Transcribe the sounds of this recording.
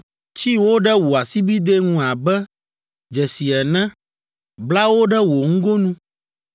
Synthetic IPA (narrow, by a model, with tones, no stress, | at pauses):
t͡ʃi˦wo˦ɖɛ˦wo˨a˨si˦bi˦d̪e˦ŋũ˦a˨bɛ˦ | d͡ʒɛ˨si˨ɛ˨nɛ̃˦ | bla˦wo˦ɖɛ˦wo˨ŋ̩˦ɡo˦nũ˦